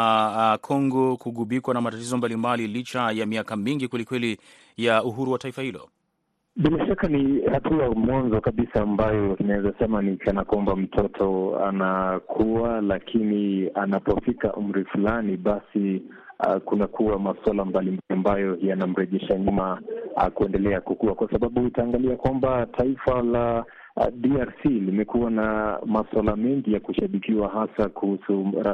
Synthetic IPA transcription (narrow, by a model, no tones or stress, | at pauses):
kʰɔŋɡɔkuɠuɓikwanamatatizɔmbalimbalilit͡ʃajamiakamiŋɡikwɛlikwɛli | jauɦuɾuwataifahilɔ̰ | ɓilaʃakanihatʰuamwanzɔkaɓisaːmbajɔinaɛzasɛmaniikanakwambam̩tʰɔtʰɔa̰nakʰuwalakʰinianapɔfika̰ʔum̩ɾifulaniɓasi | kunakuwamaswalambalimbaliambajɔjanam̩ɾɛʄɛʃaɲuma̰kuɛndɛlɛakukuakwasaɓaɓuutaːŋɡaliakwambatʰaifala | diaɾsilimɛkuwanamaswalamɛŋɡijakuʃaɓikiwaɦasakuhusuɾa